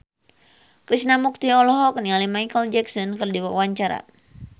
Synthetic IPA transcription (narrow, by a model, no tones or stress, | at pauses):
kɾisnamuk̚t̪iɔlɔɦɔknialimajkəld͡ʒɛksɔnkɨrdiwawaɲt͡ʃaɾa̰